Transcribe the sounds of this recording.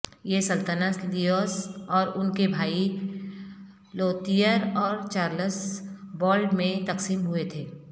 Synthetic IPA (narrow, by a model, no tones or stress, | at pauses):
jesɐlt̪ənəslijoːsɔːɾʊnkebʱaːi | loːt̪ijəɾɔːɾt͡ʃaːɾləsbɔːlɖmẽt̪ɐqsiːmɦʊet̪ʰeː